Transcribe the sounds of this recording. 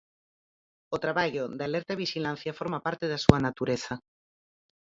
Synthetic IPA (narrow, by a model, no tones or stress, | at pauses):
ot̪ɾaβaʎoðalɛɾt̪aβiʃilãn̟θjafoɾmapaɾt̪eðasuanat̪uɾeθa